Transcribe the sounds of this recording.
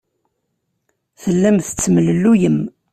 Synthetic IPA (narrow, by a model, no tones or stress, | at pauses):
θəlːæmθə̥t͡sːəmələlːujəm